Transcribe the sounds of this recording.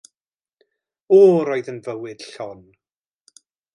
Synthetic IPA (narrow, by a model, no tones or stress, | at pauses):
ɔːɾɔjðənvəwɨd̥ɬɔn